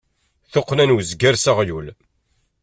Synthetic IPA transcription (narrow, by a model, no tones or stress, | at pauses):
θoqːnænwzɡæɾsaʁjul